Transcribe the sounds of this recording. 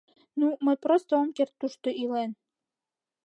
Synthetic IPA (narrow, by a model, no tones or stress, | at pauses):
numəjʲpɾost̪əomkert̪ːuʃt̪oʔilen